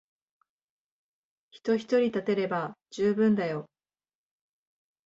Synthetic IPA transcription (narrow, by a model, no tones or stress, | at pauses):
çi̥t̪o̞çi̥t̪o̞ɾʲit̪at̪e̞ɾe̞bad͡ʑɨːbɯ̟̃nd̪ajo̞